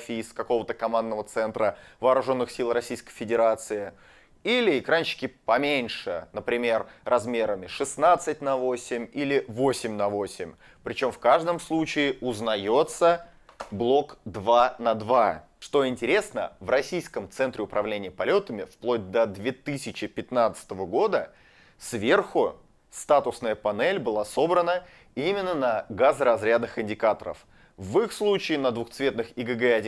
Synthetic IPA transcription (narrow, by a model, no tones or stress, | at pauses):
fʲiskɐko̞vət̪əkɐmand̪nəvət̪sɛnt̪ɾəvɐːɾʊʐo̞nːɨxsʲilˠɾɐsʲijskəjfʲɪdʲɪɾat̪sɨɪ | ilʲɪɪkɾanʲɕɪ̥kʲɪpɐmʲenʲʂɨnəpɾʲɪmʲe̞rːɐzmʲe̞ɾəmʲɪʂɨsnat̪sɨt̚ʲnɐvo̞sʲɪmʲilʲɪvosʲɪmʲnɐvo̞sʲɪmʲ | pɾʲɪt͡ɕo̞mfkaʐd̪əmslˠut͡ɕɪːʊznɐjo̞t̪sə | blˠo̞kd̪vanɐd̪va | ʂt̪o̞ɪnʲtʲɪɾʲe̞snə̰vrɐsʲijskəmt̪sɛnt̪ɾʲɪʊpɾʔɐvlʲenʲɪjəpɐlʲo̞t̪əmʲɪfplˠo̞d̚ʲd̪əd̪vʲe̞t̪ɨsʲɪt͡ɕɪpʲɪt̪nat̪sɨ̥t̪əvəɡo̞d̪ə | svʲe̞rxʊ | st̪at̪ʊsnəjəpɐnɛlʲbɨlˠaso̞bɾənə | imʲɪnːənɐɡazɾɐzɾʲad̪nɨxɪnʲdʲɪkat̪əɾə̰f | vɨxslˠut͡ɕɪːnəd̪vʊxt̪svʲe̞t̪nɨxɪɡɛɡɛɐdʲ